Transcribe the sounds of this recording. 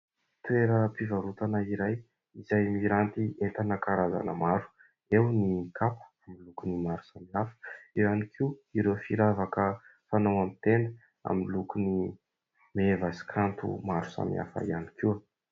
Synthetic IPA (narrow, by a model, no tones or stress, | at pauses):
t̪uweɾəpivaɾut̪anəiɾaj | izajmiɾant̪iet̪anəkaɾaza̰nə̰maɾu̥ | ewnikapə̥amilukunimaɾu̥samiafə̥iɾanikʰiiɾefiɾavakəfanawamit̪end̪ə | a̰minlukuni | mevasi̥kʰant̪ṵmaɾu̥sa̰mḭa̰fə̰ianikiwə